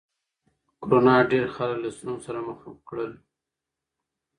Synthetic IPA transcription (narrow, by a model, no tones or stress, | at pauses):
koɾonɑɖeɾxallasnunsaɾaməxakɽəl